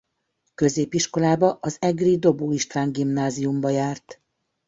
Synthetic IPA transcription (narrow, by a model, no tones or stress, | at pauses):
kø̞zeːpiʃko̞laːbɒʔɒzɛɡrid̪o̞boːiʃt̪ʋaːŋɡimnaːziumbɒjaːrt̪